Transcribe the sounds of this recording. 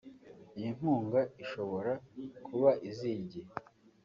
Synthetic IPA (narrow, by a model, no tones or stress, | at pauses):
ijin̥huːŋɡaiʃo̞βo̞ɾakʰuβaʔiziːɟe